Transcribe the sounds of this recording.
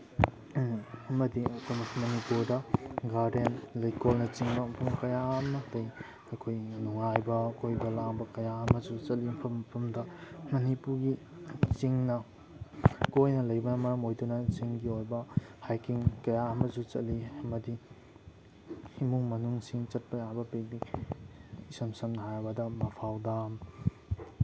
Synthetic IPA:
ɐmɐditɐmɐkmonipuɾdɐɡaɾdentlɐjkolnɐt͡ʃiŋbɐmpʰumkɐjamɐlɐj | ɐkʰojnuŋajbɐkojbɐlaŋbɐkɐjaɐmɐzut͡ʃɐtlimpʰɐmpʰɐmdɐmɐnipuɾɡi | t͡ʃiŋnɐ | kojnɐlɐjbɐnɐmɐɾɐmojdunɐt͡ʃiŋɡiojbɐhajkiŋkɐjaɐmɐzut͡ʃɐtliɐmɐdi | imuŋmɐnuŋsiŋt͡ʃɐt̚pɐjabɐpek̚bi | isɐmsɐmnɐɦajbɐdɐmɐpʰawdam

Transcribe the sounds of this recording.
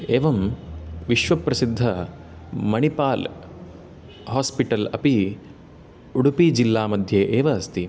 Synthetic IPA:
eːʋɐmʋiʃʋɐpɾɐsid̪ʱːɐ | mɐɳipaːl | haːspiʈɐlɐpi | uɽupid͡ʒilːaːmɐd̪ʱjeːʔeːʋɐːst̪i

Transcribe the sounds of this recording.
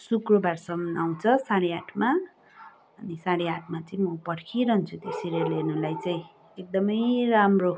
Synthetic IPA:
sukrʌbarsʌmnaw̃t͡sʰʌsaɽeaʈʰma | ʌnisaɽeaʈʰmat͡saĩmʌpʌɽkʰiɾʌɦnt͡sʰut̪esiɾelenulajt͡saĩ | ek̚d̪ʌmʌjramro

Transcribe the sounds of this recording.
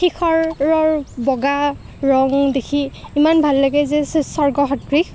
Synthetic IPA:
xikʰɔɹːɔɹbɔɡa | ɹɔŋdekʰiimanbʱalːaɡɛzɛsɔɹɡɔɦɔtɹik

